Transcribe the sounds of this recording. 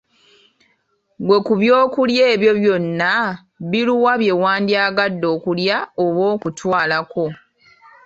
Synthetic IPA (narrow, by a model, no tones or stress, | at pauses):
ɡwe̞kuβjo̞ːkulje̞ːβjo̞βjo̞nːa | βiluwaβje̞waːndiaːɡadːo̞ːkuljaoβwo̞ːkutʰwaːlako̞